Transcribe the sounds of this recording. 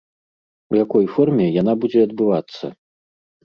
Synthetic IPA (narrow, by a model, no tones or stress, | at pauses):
wjakɔjfɔrmʲɛjanabud͡zʲɛɐd̪̚bɨvat̪sːɐ̰